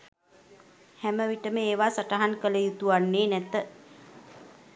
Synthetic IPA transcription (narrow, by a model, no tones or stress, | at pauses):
hæməʋiʈəməeːʋaːsaʈaɦankələjut̪uanːeːnɛt̪ə